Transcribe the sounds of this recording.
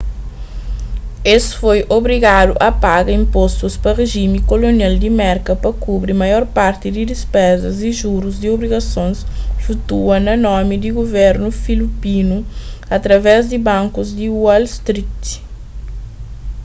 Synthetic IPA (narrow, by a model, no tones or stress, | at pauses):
esfojʔobɾiɡad̪uʔɐpaɡɐĩmpost̪uspɐreʒimikolonjald̪imɛɾkɐpɐkubɾimɐjɔɾpaɾt̪id̪id̪ispɛzɐziʒuɾuzd̪iobɾiɡɐsõnsfut̪uɐnɐnɔmid̪iɡovɛɾnufilipinuɐt̪ɾɐvɛzd̪ibãŋkuzd̪iwalst̪ɾit̪